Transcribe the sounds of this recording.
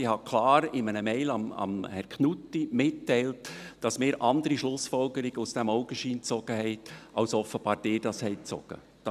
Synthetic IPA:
ɪhɑkʰlɑːɾɪmənəmɛɪlɑmɑ̰mhɛɾkʰnutːimɪtːɛɪltd̥ɑsmɪːɾʔɑndəɾiʃlʊsfɔlɡəɾɪɡəusd̥ɛmɔʊɡəʃiːnt͡sɔɡ̥əhɛɪtɑwsɔfəb̥ɑːɾd̥ɪːɾd̥ɑshɛɪt͡sɔ̰ɡ̥ə̰ | d̥ɑ

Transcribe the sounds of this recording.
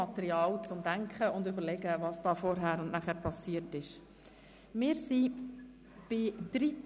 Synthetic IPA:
ɑt̪ɛɾiɑːlt͡sʊmd̥̪æŋkχəʊnd̪ʏbəɾlɛɡəvɑsd̥ɑːfɔɾɦæːɾʊnnæχæːɾpʰɑsiːəɾtɪʃ | mɪːɾsi | b̥ɪd̪̥ɾi

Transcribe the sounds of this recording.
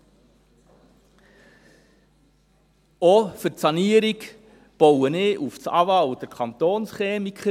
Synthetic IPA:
ɔfəɾtsɑniəɾik | b̥ɔwənɪʔufsɑ̰ʋɑwd̥əɾkʰɑnt̪oːnsχeːmikʰχə

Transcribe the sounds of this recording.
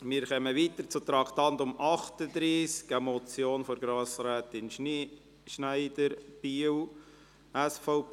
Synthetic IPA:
mɪːɾχœməʋiːt̪əɾt͡sʊt̪ɾɑkʰt̪ɑntʊmʔɑχt̪əd̪ɾiːsɡamɔt͡sjoːnfɔɾɡɾɑːsɾæːt̪ɪnʃni | ʃnæɪdəɾb̥iw | æsfɔʊp

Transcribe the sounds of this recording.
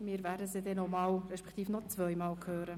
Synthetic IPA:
miːɾvæːdəsidɛnomɑːlrɛʃpɛ̥kʰt̪iːfnɔt͡svœʏmɑːlkʰhøːɾə

